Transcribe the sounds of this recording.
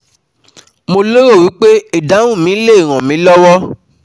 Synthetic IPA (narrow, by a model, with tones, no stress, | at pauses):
mo˧lo˦ɾo˦˨wi˨˦k͡pe˦i˦˨da˨˦w̃ũ˦˨mĩ˨˦le˦˨ɾ̃ã˨mĩ˨˦lɔ˦wɔ˦